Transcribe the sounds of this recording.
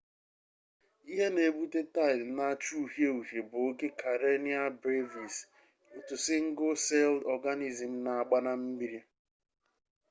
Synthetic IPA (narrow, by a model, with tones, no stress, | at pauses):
i˦ɦe˦ne˨bu˦te˦ta˦˨ɪ˨na˦t͡ʃu˦u˦˨ɦje˦u˨ɦe˨bʊ˨˦ɡe˦kʰa˨ɾe˦ni˦a˦bɾe˦vi˨s | o˨tu˨sɪ˦ŋ̩˦ɡo˦se˦ldɔ˨ɡa˦ni˨zi˨m̩˦na˨a˨ɡ͡ba˦na˦m̩˦bi˦ɾi˦